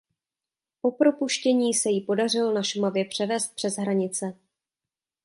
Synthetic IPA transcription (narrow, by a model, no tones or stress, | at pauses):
ʔo̞pɾo̞puʃcɛɲiːsɛjɪpo̞dar̝ɪlonaʃmavjɛpr̝̥ɛvɛːst̪̚pr̥ɛzɦɾaɲɪt͡sɛ